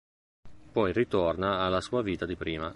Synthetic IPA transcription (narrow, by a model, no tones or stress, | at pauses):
pɔjrit̪ornaːlːasuːaviːt̪ad̪ipɾiːma